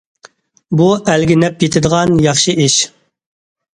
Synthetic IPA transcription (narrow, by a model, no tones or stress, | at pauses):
buælɡʲɪnɛpjet̪ʰɪd̪əʁɑnjɑχʃɨiʃ